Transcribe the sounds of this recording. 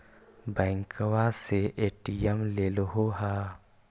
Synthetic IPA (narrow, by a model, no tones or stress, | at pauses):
bɛ̃ːŋkəwaseʔeːʈijemleːloɦoːɦaː